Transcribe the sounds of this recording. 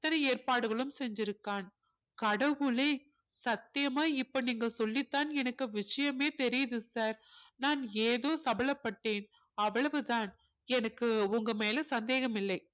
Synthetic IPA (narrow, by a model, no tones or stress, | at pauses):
ɪt̪ːɐnɐeːrpaːɽɯɣɐɭɯmsɛɲd͡ʒɪɾɯkːaːn | kɐɽɐʋɯɭeː | sɐt̪ːɪjɐmaːɪpːoniːŋɡɐsɔlːɪt̪ːaːnɛnɐkːɯʋɪʂɐjɐmeːt̪ɛɾɪjɐðɯsaːɾnaːneːðoːsɐbɐɭɐpːɐʈːeːn | ɐʋːɐɭɐʋɯt̪aːn | ɛnɐkːɯʊŋɡɐmeːlɐsɐnd̪eːɣɐmɪlːɐɪ